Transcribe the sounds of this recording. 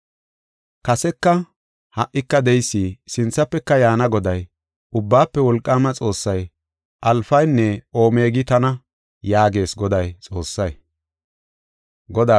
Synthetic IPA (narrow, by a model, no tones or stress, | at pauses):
kɐsɛkːɐ | hɐʔːɪkːɐd̪ɛjsːisɪnt͡sːɐpːɛkːɐjaːnɐɡɔd̪ɐj | ʊbːaːpːɛwɔlkʼːaːmɐt͡sʼo̞ːsːɐj | ʔɐlfɐjnːɛo̞ːme̞ːɡɪt̪ɐnɐ | jaːɡe̞ːsɡɔd̪ɐjt͡sʼo̞ːsːɐj | ɡɔd̪aː